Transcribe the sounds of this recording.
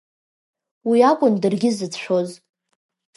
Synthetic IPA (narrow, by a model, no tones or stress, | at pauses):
wiakʷʼʊndɨrɡʲɪzɨt͡sʰʃʷᶣoz